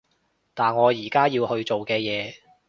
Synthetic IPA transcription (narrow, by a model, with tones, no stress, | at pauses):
t̪aː˨nŋɔː˨˧jiː˨˩kaː˥jiː˧whɵ˧ɥt͡ʃo˨wkɛː˧jɛː˨˧